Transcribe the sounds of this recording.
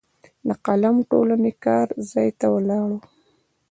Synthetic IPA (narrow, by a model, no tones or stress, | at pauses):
laqalamʈo̰lanekɑɾzɑjt̪awəlɑɽo